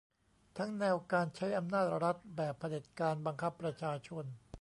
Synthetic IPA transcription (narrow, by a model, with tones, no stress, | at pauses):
t̪ʰa˦˥ŋnɛː˧wkaː˧nt͡ɕʰa˦˥jʔa˧mnaː˥˩t̪̚ɾa˦˥t̪̚bɛː˨˩pʰːa˧le˨˩t̪̚kaː˧nba˧ŋkʰa˦˥pːɾa˧t͡ɕʰaː˧t͡ɕʰo˧n